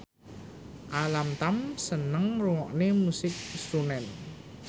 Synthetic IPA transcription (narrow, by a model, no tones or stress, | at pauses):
ʔalamt̪amsənəŋruŋɔʔnemusɪk̚sɾunɛn